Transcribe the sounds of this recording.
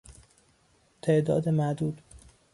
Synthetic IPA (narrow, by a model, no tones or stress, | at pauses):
t̪ʰeʔd̪ɒːd̪emæʔd̪uːd̪